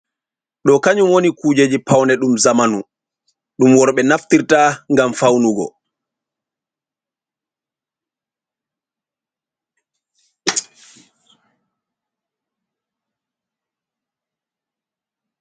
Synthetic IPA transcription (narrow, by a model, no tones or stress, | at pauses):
ɗɔkaɲumwonikuːd͡ʒed͡ʒipawnɛɗumzamanu | ɗumwɔɾɓɛnaftiɾtaŋɡamfawnuɡɔ̰